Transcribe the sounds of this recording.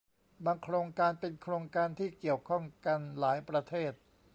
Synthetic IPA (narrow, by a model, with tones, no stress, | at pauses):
ba˧ŋkʰɾoː˧ŋkaː˧npe˧nkʰɾoː˧ŋkaː˧nt̪ʰiː˥˩ki˨˩əwkʰɔ˥˩ŋka˧nlaː˩˦jpɾa˧t̪ʰeː˥˩t̪̚